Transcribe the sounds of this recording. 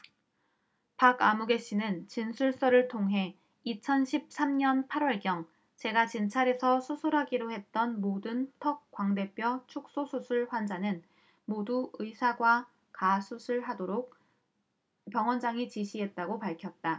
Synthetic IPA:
paɡamuɡe̞ɕ͈inɯnt͡ɕinsʰuɭs͈ʌɾɯɭtʰoŋɦe̞ | it͡ɕʰʌnɕʰip̚s͈ʰamɲʌnpʰaɾwʌɭɡjʌŋ | t͡ɕe̞ɡat͡ɕint͡ɕʰaɾe̞sʰʌsʰusʰuɾɦaɡiɾohe̞t̚t͈ʌnmodɯntʰʌk̚k͈waŋde̞p͈jʌt͡ɕʰuk̚s͈osʰusʰuɭɸwand͡ʑanɯn | moduɯisʰaɡwa | kasʰusʰuɭɦadoɾok̚ | pjʌŋwʌnd͡ʑaŋit͡ɕiɕʰiɦe̞t̚t͈aɡopaɭkʰjʌt̚t͈a

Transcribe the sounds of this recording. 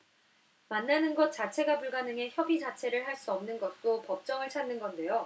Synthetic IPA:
manːanɯnɡʌt̚t͡ɕ͈at͡ɕʰe̞ɡapuɭɡanɯŋe̞çjʌbid͡ʑat͡ɕʰe̞ɾɯɭhaɭs͈uʌmnɯnɡʌt̚t͈opʌp̚t͡ɕ͈ʌŋɯɭt͡ɕʰanːɯnɡʌnde̞jo

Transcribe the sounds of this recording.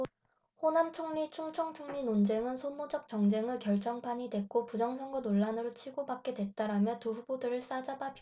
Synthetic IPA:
ɸonamt͡ɕʰoŋɲit͡ɕʰuŋt͡ɕʰʌŋt͡ɕʰuŋɲinond͡ʑe̞ŋɯnsʰomod͡ʑʌk̚t͡ɕ͈ʌŋd͡ʑe̞ŋɯɭkjʌɭt͡ɕ͈ʌŋpʰaɲidwe̞k͈opud͡ʑʌŋsʰʌŋɡʌnoɭːanɯɾot͡ɕʰiɡobak̚k͈e̞dwe̞t͈aɾamjʌtuɸubodɯɾɯɭs͈ad͡ʑabapʰ

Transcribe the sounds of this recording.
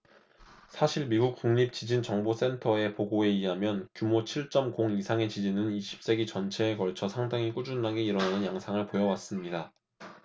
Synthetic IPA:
sʰaɕʰiɭmiɡuk̚k͈uŋɲip̚t͡ɕid͡ʑint͡ɕʌŋbos͈e̞ntʰʌe̞poɡoe̞iɦamjʌnkjumot͡ɕʰiɭt͡ɕ͈ʌmkoŋisʰaŋe̞t͡ɕid͡ʑinɯniɕʰi̥p̚s͈e̞ɡit͡ɕʌnt͡ɕʰe̞ːkʌɭt͡ɕʰʌsʰaŋdaŋik͈ud͡ʑunːaɡe̞iɾʌnanɯnjaŋsʰaŋɯɭpojʌwas͈ɯmɲida

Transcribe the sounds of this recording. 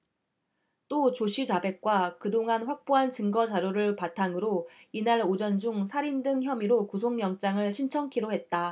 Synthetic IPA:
t͈ot͡ɕoɕʰid͡ʑabe̞k̚k͈wakɯdoŋanɸwak̚p͈oɦant͡ɕɯŋɡʌd͡ʑaɾjoɾɯɭpatʰaŋɯɾoinaɾod͡ʑʌnd͡ʑuŋsʰaɾindɯŋçjʌmiɾokusʰoŋjʌŋt͡ɕ͈aŋɯɭɕʰint͡ɕʰʌŋkʰiɾoɦe̞t̚t͈a

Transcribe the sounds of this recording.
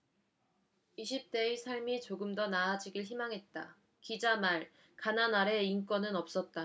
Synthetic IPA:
iɕʰip̚t͈e̞isʰaɭmit͡ɕoɡɯmdʌnaːd͡ʑiɡiɭçimaŋɦe̞t̚t͈a | kid͡ʑamaɭ | kananaɾe̞ink͈wʌnɯnʌp̚s͈ʌt̚t͈a

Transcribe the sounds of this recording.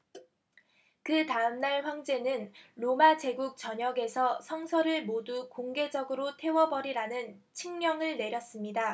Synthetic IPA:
kɯtaɯmnaɭɸwaŋd͡ʑe̞nɯnɾomad͡ʑe̞ɡuk̚t͡ɕʌɲʌɡe̞sʰʌsʰʌŋsʰʌɾɯɭmodukoŋɡe̞d͡ʑʌɡɯɾotʰe̞wʌbʌɾiɾanɯnt͡ɕʰiŋmjʌŋɯɭne̞ɾjʌs͈ɯmɲida

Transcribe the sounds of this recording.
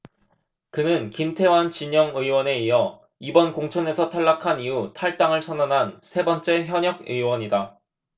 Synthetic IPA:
kɯnɯnkimtʰe̞want͡ɕiɲʌŋɯiwʌne̞ijʌ | ibʌnkoŋt͡ɕʰʌne̞sʰʌtʰaɭːakʰanijutʰaɭt͈aŋɯɭsʰʌnanɦansʰe̞bʌnt͡ɕ͈e̞çjʌɲʌɡ̚ɯ̰iwʌɲida

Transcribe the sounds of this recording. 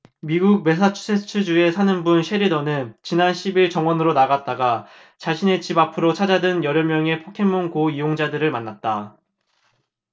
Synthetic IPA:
miɡuk̚me̞s̬ʰat͡ɕʰu̥sʰet͡ɕʰɯd͡ʑue̞sʰanɯnbunɕʰeɾidʌnɯnt͡ɕinanɕʰibiɭt͡ɕʌŋwʌnɯɾonaɣat̚t͈aɡa | t͡ɕaɕʰine̞t͡ɕibapʰɯɾot͡ɕʰad͡ʑadɯnjʌɾjʌmjʌŋe̞pʰokʰe̞mːoŋkoijoŋd͡ʑadɯɾɯɭmanːat̚t͈a

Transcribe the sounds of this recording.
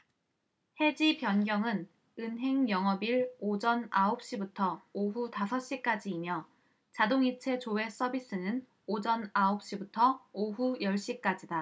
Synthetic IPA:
he̞d͡ʑipjʌnɡjʌŋɯn | ɯnɦe̞ŋjʌŋʌbiɾod͡ʑʌnaop̚ɕ͈ibutʰʌoɦutasʰʌɕ͈ik͈ad͡ʑiːmjʌ | t͡ɕadoŋit͡ɕʰe̞t͡ɕoe̞s͈ʌbis͈ɯnɯn | od͡ʑʌnaop̚ɕ͈ibutʰʌoɦujʌɭɕ͈ik͈ad͡ʑida

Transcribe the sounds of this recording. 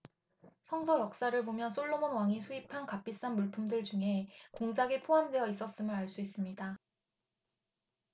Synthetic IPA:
sʰʌŋsʰʌjʌk̚s͈aɾɯɭbomjʌns͈ʰoɭːomonwaŋisʰuipʰankap͈is͈anmuɭpʰumdɯɭd͡ʑuŋe̞koŋd͡ʑaɡepʰoɦamdwe̞jʌis͈ʌs͈ɯmɯɾaɭs͈uis͈ɯmɲida

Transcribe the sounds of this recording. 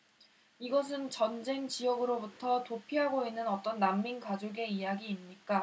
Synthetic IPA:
iɡʌs̬ʰɯnt͡ɕʌnd͡ʑe̞ŋt͡ɕijʌɡɯɾobutʰʌtopʰiɦaɡoinːɯnʌt͈ʌnːamːinkad͡ʑoɡe̞ijaɡiːmɲik͈a

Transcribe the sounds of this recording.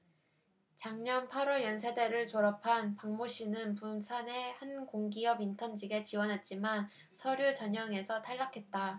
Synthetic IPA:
t͡ɕaŋɲʌnpʰaɾʌjʌnsʰe̞de̞ɾɯɭt͡ɕoɾapʰanpaŋmoɕ͈inɯnpunsʰane̞hankoŋɡiʌbintʰʌnd͡ʑiɡet͡ɕiwʌnɦat̚t͡ɕ͈iman | sʰʌɾjot͡ɕʌɲʌŋe̞sʰʌtʰaɭːakʰe̞t̚t͈a

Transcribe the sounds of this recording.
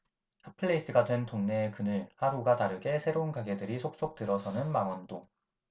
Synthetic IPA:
hapʰɯɭːeis͈ɯɡadwe̞ntoŋne̞ːkɯnɯɭhaɾuɡataɾɯɡe̞sʰe̞ɾounkaɡe̞dɯɾisʰok̚s͈ok̚t͈ɯɾʌsʰʌnɯnmaŋwʌndo

